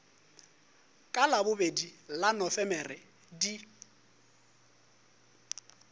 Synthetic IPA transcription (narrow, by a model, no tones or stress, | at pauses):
kʼalabʊbedilanɔfɛmɛrɪ | di